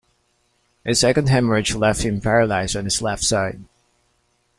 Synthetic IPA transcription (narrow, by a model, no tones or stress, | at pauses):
ʔɨsɛkɨ̃nd̚ɦæ̃məɹɨd͡ʒlɛft̚hɨ̃mpʰɛɹəlaɪz̃n̩ɨz̥lɛftsaɪd̚